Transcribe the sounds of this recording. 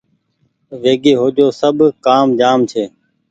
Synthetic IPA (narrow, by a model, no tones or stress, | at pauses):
ʋeːɡeːɦoːd͡ʒoːsəbʱkaːmd͡ʒaːmt͡ʃʰeː